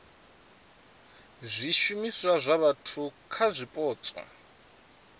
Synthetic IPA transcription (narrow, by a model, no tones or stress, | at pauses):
zʷiʃumiswazʷaβatʰukʰazʷipʼɔːt͡sʼwa̰